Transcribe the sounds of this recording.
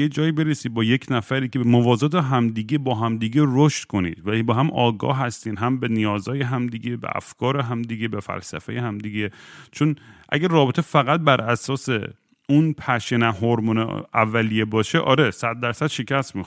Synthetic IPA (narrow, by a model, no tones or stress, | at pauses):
jed͡ʒɒːjibe̞ɾesiːbɒːjecʰnæfæɾiːkeemovɒːzɒːt̪ʰeɦæmd̪iːɡebɒːɦæmd̪iːɡeɾoʃt̪kʰonḭːd̪̥væbɒːɦæmʔɒːɡɒ̰ːɦæst̪iːnɦæmbenijɒːzɒːjeɦæmd̪iːɡebḛʔæ̰fkʰɒːɾeɦæmd̪iɡebefæ̰lsæ̰fḛjehæmd̪iɡet͡ʃʰonʔæ̰ɡærɒːbet̪ʰe̞fæɣæt̪̚bæɾʔæsɒːse | unpʰæʃenæɦoɾmunḛævːælijebɒːʃeʔɒ̰ːɾesæd̪̚ːæɾsæd̪̥ʃecʰæst̪mix